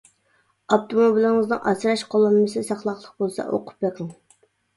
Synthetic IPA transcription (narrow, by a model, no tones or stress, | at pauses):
ɑpt̪ʰomobilˠɪŋɨznɨŋʔɑsɾɑʃqʰolˠɑmmɨsɨsɑχlˠɑχlˠəq̚bolˠsɑ̰ʔo̰qʰʊ̥pbeqʰəŋ